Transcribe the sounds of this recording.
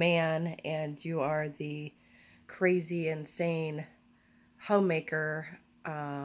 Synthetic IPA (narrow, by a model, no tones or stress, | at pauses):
mæ̃nɨ̃njɨə˞ðɨ | kʰɹ̥eɪziɨ̃nsẽɪ̃n | hõʊ̃meɪkə˞ | ʔʌ